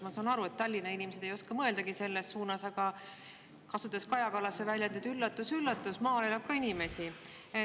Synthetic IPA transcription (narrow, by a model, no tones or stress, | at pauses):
mɑsɑːnɑɾue̞t̪ːɑlʲːinːɑinimesed̪e̞jo̞skɑmɤeld̪̥ɑɡise̞lːe̞sːuːnɑsɑɡ̥ɑ | kɑsut̪ːˑɑskɑjɑkɑlɑsːe̞vælʲjɑned̪t̪ylːɑt̪ːˑusylːɑt̪ːˑusmɑːlelɑb̥̚kɑinime̞si | e